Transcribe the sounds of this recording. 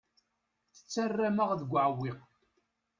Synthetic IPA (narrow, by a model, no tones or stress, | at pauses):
θə̥t͡sːarːaməʁðəɡʷʕwiq